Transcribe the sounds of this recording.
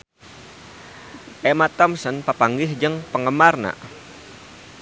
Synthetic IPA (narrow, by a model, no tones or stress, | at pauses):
ʔɛmat̪ɔmsənpapaŋɡɪɦd͡ʒəŋpəŋəmarna̰